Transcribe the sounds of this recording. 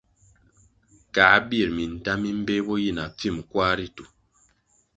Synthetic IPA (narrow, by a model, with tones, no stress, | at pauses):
ka˨˦bi˦˨ɾmi˨n̩˨ta˦mi˦m̩˦be˦bɔ˦ji˦˨na˨p͡fi˦˨mkwa˦ɾi˦tu˨